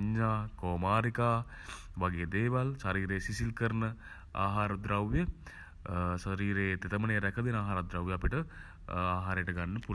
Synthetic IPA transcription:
ɲːaːkoːmaːɾikaː | ʋaɡeːd̪eːʋalsaɾiːɾeːsisilkəɾnə | a̰ːɦaːɾɐd̪ɾawjə | saɾiːɾeːt̪et̪əməneːɾɛkəd̪inaːɦaːɾɐd̪ɾawjəapiʈə | aːɦaːɾeːʈəɡanːəpu

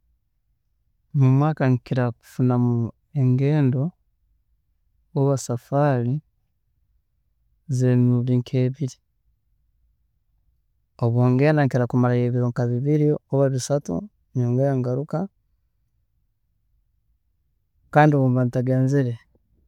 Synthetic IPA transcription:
mumwaːkaŋkiɾaku̥funamu | eŋɡe̞ːndo̞ | oβasafaːli | zenuβiŋkʰeːβiɾi | oβwoːŋɡeːndaŋkiɾakumalajeːβiɾoŋkaβiβiɾioβaβisatṵ | noːŋɡejaŋɡaɾuka | kaːndioβuːmbanitaɡeːnziɾe

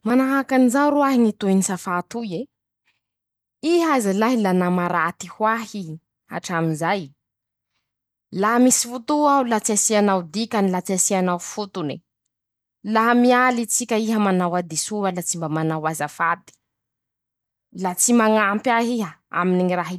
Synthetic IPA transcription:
manaɦakanizawɾuaɦiŋit̪uinisafat̪uje | iɦazalaɦilanamaɾat̪ihwaɦi | a̰ʈ͡ʂaminzaj | lamisi̥fut̪uawlat͡siasianawd̪ikʲanilat͡siasianawfut̪uni | lamialit͡sikʲəiɦəmanawad̪isuəlat͡simbamanawazafad̪i̥ | lat͡simaŋampjaɦiɦəa̰miniŋiɾaɦi

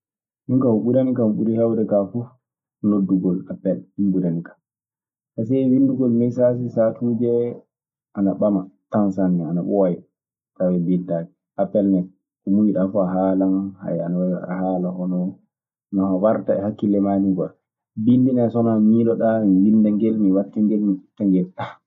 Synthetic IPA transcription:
nuŋkauɓuɾanikamɓuɾɛhɛwdɛkafu | nodːuɡɔlapːɛlimbuɾanikḁm | ʔas̬ɛwinduɡɔlmɛsas̬isatʰuːd͡ʒɛ | ʔanaɓamatansanːɛanaɓɔwajɛ | tawɛbidad͡ʒɛ | ʔapːɛlnɛ | kɔmujiɗafuaɦalanha̰janawahaːlahɔnɔ | nɔhawaɾtaɛ̰hakːilɛmaniɡɔ | bindinɛsɔnamiːlɔɗamiwindaŋɡɛlmiwatːaŋɡɛlmifu̥tːaŋɡɛla

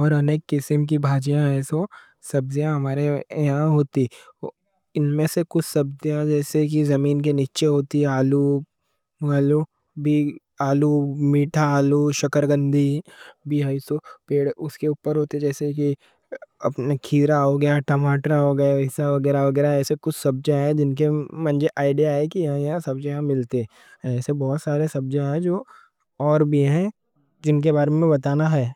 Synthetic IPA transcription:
ɔːɾɐneːkːɪsɪmk̬ibʱaːd͡ʒijãɦɛːso | sɐbzijãɦɐmaːɾeɦãɦoːt̪i | ɪnmẽsekʊt͡ʃʰsɐbzijãd͡ʒɛːsek̬izɐmiːnk̬eniːt͡ʃeɦoːt̪iaːlu | aːlu | bʱi | aːlumiːʈʰaaːluʃɐkəɾɡə̃nd̪ʱibʱiːɦaisopeːɽʊskeuːpəɾɦoːt̪eɛd͡ʒɛːseki | ɐ̰pnakʰiːɾaɦoɡɐjaʈɐmaːʈɾaɦoːɡɐjaɪsaʋɐɡɛːɾaʋɐɡɛːɾaɛːsekʊt͡ʃʰsɐb̚d͡ʒãɦɛ̃d͡ʒɪnkemɐ̃nd͡ʒeʔaːɪɖijaɦɛkijɐɦãjɐɦãsɐbd͡ʒajɐãmɪlt̪eɛ | ɛːsebɔːt̪saːɾesɐb̚d͡ʒãɦɛd͡ʒoː | ɔːɾbiɦɛ | d͡ʒɪnk̬ebaːɾemẽbɐt̪aːnaɦɛː

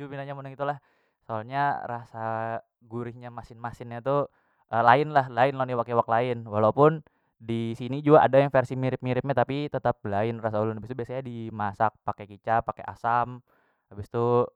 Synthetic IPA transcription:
d͡ʒubinaɲamunaŋit̪ulah | soalɲarasa | ɡuɾɪhɲamasɪnmasɪnɲat̪u | ʔəlaɪnlahlaɪnloniwakewak̚laɪnwalaupʊn | disinid͡ʒuɡaʔa̰dajaŋfɛrsimiɾɪp̚miɾɪp̚ɲat̪apit̪ət̪ap̚laɪnrasaulʊnabist̪ubiasaɲadimasak̚pakekit͡ʃapakeʔa̰sam | abist̪u

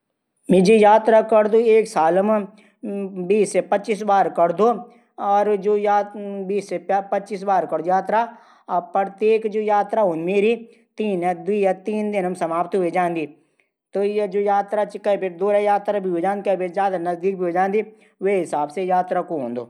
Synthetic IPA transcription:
mɪd͡ʒijaːt̪ɾakɐɾd̪oeːksaːlm | biːsːepɐtːt͡ʃisbaːɾkɐɾd̪oː | ɔːɾd͡ʒoːjaːbiːsːepɐt͡ʃiːsbaːɾkɐɾd̪ojaːt̪ɾa | pəɾt̪eːkd͡ʒoːjaːt̪ɾaɦõːnd̪imeːɾi | t̪iːnɛd̪ijat̪iːnd̪ɪnɐmsɐmaːpt̪ɦʊed͡ʒãːnd̪i | t̪ojd͡ʒoːjaːt̪ɾat͡ʃkɐibɪɾd̪oːɾajaːt̪ɾabʱiud͡ʒãːnd̪ikɐbeɾzjaːd̪anɐzd̪iːk̚bʱiod͡ʒãːnd̪i | ʋeɦɪsaːbsejaːt̪ɾakoɦõːnd̪oː

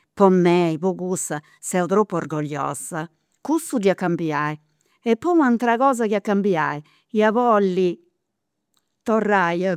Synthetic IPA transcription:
pɔmːɛipɔkusa | sɛut̪ɾopːɔrɡɔʎːɔ̰ːsa | kust̪ud̪iakːambiai | ɛpːɔmant̪ɾaɣɔːz̬akiakːambia̰i | iavɔlːi | t̪ɔrːaj

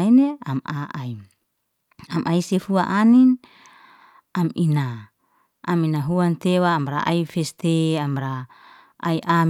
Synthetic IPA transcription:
ineamaai | amʔaisefuaʔanin | aminaː | minaɦuant̪ewaːmɾa̰ʔa̰ifest̪eamɾa | aiʔam

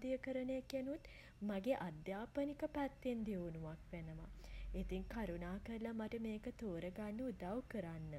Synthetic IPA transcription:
d̪ijəkəɾənəjakjenut̪ | maɡeʔad̪jaːpənikəpæt̪ːend̪ionuʋakʋenəmait̪iŋkaɾunaːkəlamaʈəmeːkət̪oːɾəɡanːəud̪awkəɾanːə

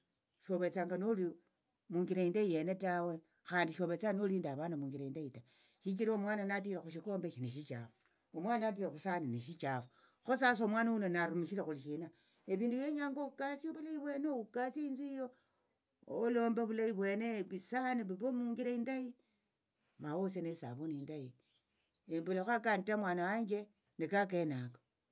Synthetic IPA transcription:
ʃo̞βe̞t͡saːŋɡanoli | muːŋɡiɾaindaije̞netawe̞ | xaːndiʃo̞βe̞t͡sanoliːndaβanamuŋɡiɾaindaita | ʃit͡ʃiɾaomwaːnanat̬iɾaxuʃ̬ikoːmbeʃineʃit͡ʃa̰fo | omwaːnanat̬iɾaxusaniniʃ̬it͡ʃafo | xosas̬omwaːnawunonaɾumiʃiɾexuliʃina | eβiːnduβjeɲaːŋɡoukasioβulaiβwe̞neoukasiiːnduijoː | lo̞ːmbaβulajiβweːneβisaniβuβomuːŋɡiɾeindaji | mawosenesa̰βoniːndaji | embulaxakanitamwaːnawaɲd͡ʒe | nekak̬enako̥

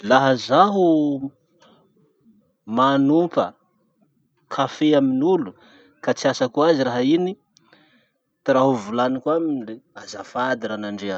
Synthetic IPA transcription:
laɦəzaɦu | manupə̰ | kʰafeaminulu | kat͡siasakuaziraɦaini | t̪iɾaɦuvulanikwaminleazafad̪iɾanaɳɖ͡ʐea

